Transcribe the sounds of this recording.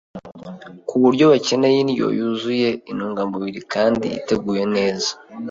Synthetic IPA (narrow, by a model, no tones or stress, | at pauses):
kuβuɾɟo̞βace̞ne̞jinijo̞̰juzuje̞inuːŋɡamboβiɾikaːndḭḭte̞ɡuːje̞ne̞ːzḁ